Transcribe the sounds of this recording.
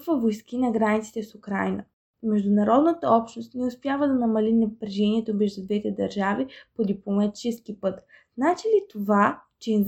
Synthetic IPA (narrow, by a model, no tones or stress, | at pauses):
kvɐvojskinɐɡɾanit̪si̥t̪ɛsʊkɾa̰jnə̰ | mɛʒd̪ʊnɐɾɔd̪nət̪əɔpʃnost̪nɛʊspʲjavəd̪ɐnɐmɐlinɐpɾɛʒɛniɛt̪obɛʒd̪ʊd̪vɛt̪ɛd̪ɐɾʒavipod̪iplˠomɐt̪i̥t͡ʃɛsk̟ipɤt̪ | z̥nat͡ʃilit̪ovat͡ʃɛz